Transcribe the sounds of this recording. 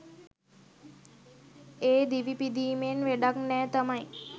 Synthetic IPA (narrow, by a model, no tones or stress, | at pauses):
eːd̪iʋipid̪iːmenʋeɖaknɛːt̪əmaj